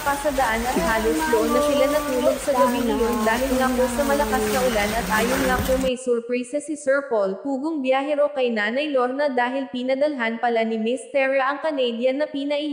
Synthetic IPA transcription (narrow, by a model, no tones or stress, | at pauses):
pasɐd̪ɐʔanɐt̪̚haːlosloʔonːɐsɪlanɐt̪uːloɡ̚sɐɡɐbinɐjond̪aːɦɪlŋaposɐmɐlɐkaskɐʔʊlanɐt̪̚ʔaːjonŋapomɐjsuɾpɹajsɐsɪsɛɹpolpuːɡoŋbjaːɦɛɾokɐjnaːnɐjloɾnɐd̪aːɦɪlpiːnɐd̪ɐlɦanpɐlanɪmɪst̪ɛɹɐʔɐŋkɐnɛd̪jɐnːɐpiːnɐʔɪ